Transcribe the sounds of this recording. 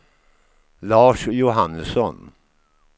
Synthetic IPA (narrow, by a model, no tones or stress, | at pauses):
lɑːʂjʊɦanːəsɔn